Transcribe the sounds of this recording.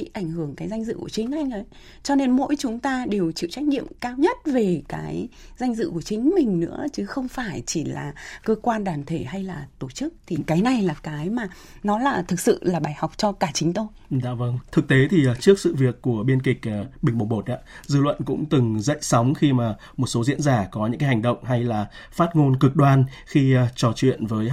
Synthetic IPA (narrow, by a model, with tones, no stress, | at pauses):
ḭ˧˨ʔa˧˩jŋ̟hɨ˧˩əŋkaː˨˦jza˧ŋ̟zɨ̰˧˨ku˧˩t͡ɕï˨˦ŋ̟ʔa˧jŋ̟ʔə˨˦j | t͡ɕɔ˧ne˧nmo̰˧˥jt͡ɕʊ˨˦ŋ͡mt̪aː˧ɗe˨˩wt͡ɕḭ˧˨wt͡ɕa˦˥jk̟̚ɲḭ˧˨əmkaː˧wɲə˦˥t̚ve˨˩kaː˨˦jza˧jŋ̟zɨ̰˧˨ku˧˩ət͡ɕï˨˦ŋ̟mï˨˩ŋ̟nɨ̰˧˥ət͡ɕɨ˨˦xə˧wŋ͡mfaː˧˩jt͡ɕi˧˩la̰ː˨˩kəː˧kwaː˧nɗaː˧˩nt̪ʰe˧˩ha˧jlaː˨˩t̪o˧˩t͡ɕɨ˦˥k̚t̪ʰi˨˩kaː˨˦jna˨˩jlaː˨˩kaː˨˦jmaː˨˩ | nɔ˨˦laː˨˩t̪ʰɨ˨˩k̚sɨ̰˧˨laː˨˩ɓaː˧˩jha˨˩wk͡p̚t͡ɕɔ˧kaː˧˩t͡ɕï˨˦ŋ̟t̪ʰo˧jza̰ː˧˨və˧ŋt̪ʰɨ˨˩k̚t̪e˨˦t̪ʰi˨˩˨t͡ɕɨ˦˥ək̚sɨ̰˧˨vi˨˩əkːu˧˩əɓi˧ənki˨˩k̚ːɓï˨˩ŋ̟ɓə˨˩ŋ͡mɓo˨˩t̚ʔa̰ː˧˥zɨ̰˧˨lwə̰˧˨nkʊ̰˧˥ŋ͡mt̪ɨ˨˩ŋzə̰˧˨jsa˨˦wŋ͡mxi˧maː˨˩ | mo˨˩t̚so˨˦zḭ˧˥ənzaː˧˩kɔ˨˦ɲɨ̰˧˥ŋaː˨˦jha˨˩ŋ̟ɗə̰˧˨wŋ͡mɦa˧jlaː˨˩ | faː˦˥t̚ŋo˧nkɨ˨˩k̚ɗwaː˧n | xi˧t͡ɕɔ˨˩t͡ɕwḭ˧˨ənvəː˨˦j